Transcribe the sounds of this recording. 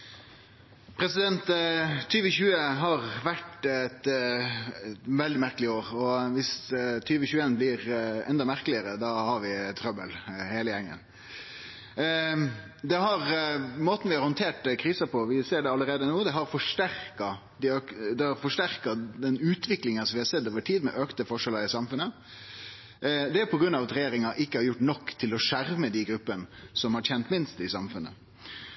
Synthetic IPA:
pʰɾɛsɪd̪ɛnt̪t̪ʰːyːʋəçʉːəɦɑʁʋæʈɛt̪ | ʋɛld̪ɪmæɾkəlɪoːɾɔʋɪst̪ʰyːʋəçʉːeːnblɪɾɛ̰nd̪ɑmæɾkəlɪəɾəd̪ɑhɑɾʋɪt̪ʰɾœbə̰lheːləjɛŋːə̰n | d̪ɛɦɑɾmoːt̪n̩ʋɪhɑɾhɔnt̪ʰeːʈkʰɾiːsəpʰɔʋɪseːɖɛɑlːəɾeːd̪ənuːd̪ɛɦɑɾfɔʂʈæɾkɑ | d̪ɪøkd̪ɛɑɾfɔʂʈæɾkɑd̪ɛnʉːt̪ʋɪklɪŋənsɔmʋɪhɑɾsɛd̪ːoːʋəʈʰiːd̪mɛ̰ʔøkt̪əfɔʂɛləɾɪsɑmfʉnːə | d̪ɛpʰɔɡɾʉnːɑʋɑt̪ɾɛjeːɾɪŋɑʔɪkːəhɑɾjʊʈːnɔkːt̪ʰɪlɔʂæɾməd̪ɪɡɾʉpːənsɔmhɑɾçɛnt̪mɪnst̪ɪsɑmfʉnːə̰

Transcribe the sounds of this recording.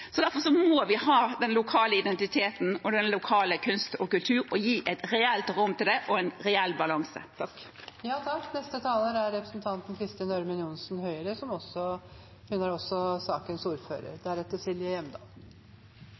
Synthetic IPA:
sɔd̪æɾfɔɾsɔmɔʋɪhɑːd̪ɛnlʊkʰɑːləɪd̪ɛnt̪ɪt̪ʰeːt̪n̩ɔd̪ɛnlʊkʰɑːləkʰʉnst̪ɔkʉlt̪ʰʉːɾɔjiːʔɛt̪ɾɛɛlt̪ɾʊmːt̪ɪld̪ɛʔɔɛnɾɛɛlːbɑlɑŋsə̰t̪ʰɑkjɑːt̪ʰɑkt̪nɛst̪ət̪ʰɑːləɾæɾɾɛpɾə̥snt̪ʰɑnt̪n̩kʰɾɪst̪ɪɪnɔɾmənjʊnsnhœʏəɾəsɔmɔsɔ | hʉnæɾɔsːɔsɑːkənsuːɾfø̰ːɾə̰ɾd̪æɾɛt̪ːəsɪljɪəjɛmd̪ɑ̰ːl

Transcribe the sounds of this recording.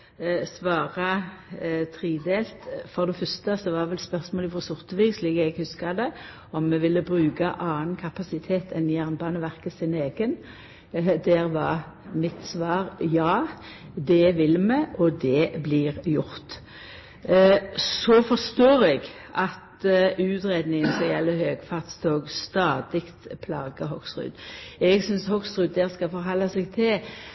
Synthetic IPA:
sʋɑːʁɑ | t̪ʰʁiːd̪eːlt̪fɔʁd̪ɛfœɾst̪əsɔʋɑːʋɛlspœɾsmoːlɪfɔsʊʁt̪əʋiːɡsliːkɛɡhʉskɑd̪ɛ | ɔmːɛʋɪlːəbɾʉːɡɑʔɑːnkʰɑpɑsɪt̪ʰeːt̪ʰɛnjæʁnbɑːnəʋæʁkəsɪneːɡən | d̪æɾʋɑʁ | mɪt̪sʋɑːʁjɑː | d̪ɛʋɪlːmɛʔɔd̪ɛblɪːɾjʊɾt̪ | sɔfɔʁst̪oːɾɛɡ | ɑt̪ʉːt̪ɾeːd̪nɪŋənsɔjɛlːəhøːɡfɑʁt̪st̪ʰoːɡst̪ɑːd̪ɪkt̪pʰlɑ̰ːɡəhɔksʁʉ̰ːd̪ɛɡsʏnshɔksʁʉːd̪ːæɾskɑfɔɾɦɑlːɑsɛɡt̪ʰɪl

